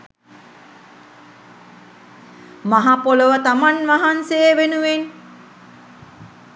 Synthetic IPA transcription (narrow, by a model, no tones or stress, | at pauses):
maɦapoləʋət̪amanʋaɦansejəʋenuʋen